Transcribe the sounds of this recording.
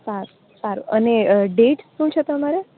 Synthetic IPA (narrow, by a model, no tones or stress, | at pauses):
saɾu | saɾṵʔəneɖeʈʃũt͡ʃʰet̪əmaɾe